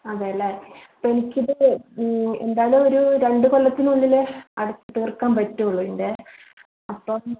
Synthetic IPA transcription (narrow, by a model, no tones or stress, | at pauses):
ɐðeːjɐlːɐɐpːenikʲːiðɨ | e̞̰nd̪aːjɐluoɾuɾe̞ɳɖɨkolːɐt̪ːinuːlːilɐɽut̪ːɨt̪iːrkːaːmpɐtːuuɭːuinɖɨ | ɐpːoː